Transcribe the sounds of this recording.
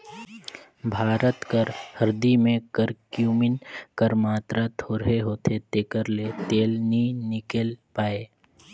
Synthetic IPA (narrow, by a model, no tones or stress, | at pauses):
bʱaːɾət̪kəɾhɐɾd̪imẽkəɾkjuːmɪnkəɾmaːt̪ɾat̪ʰoːɾɦeɦoːt̪ʰet̪eːkəɾlet̪eːlninɪkelpaːeː